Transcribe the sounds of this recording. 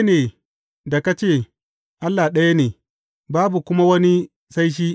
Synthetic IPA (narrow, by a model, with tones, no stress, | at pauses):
neː˨ | da˨ka˦t͡ʃeː˦˨ | ʔa˦lːa˨ɗɐ˦ja˦neː˨ | baː˦bu˨kʷʊ˦ma˦wɐ˦ni˦ | sa˦jʃ̬iː˦